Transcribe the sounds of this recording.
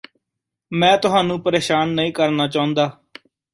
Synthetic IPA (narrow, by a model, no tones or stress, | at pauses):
mɛ̃ːt̪ʊɦaːnũːpəɾeːʃaːnːəĩːkəɾnaːt͡ʃaːʊ̃nd̪aː